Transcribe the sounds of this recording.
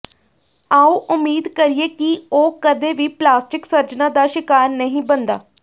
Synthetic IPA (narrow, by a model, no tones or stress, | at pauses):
aːoːʔʊmːiːd̪kəɾieːkioːkəd̪eːʋiːplaːsʈɪksəɾd͡ʒnãːd̪aːʃɪkaːɾnəɦĩːbənd̪a̰ː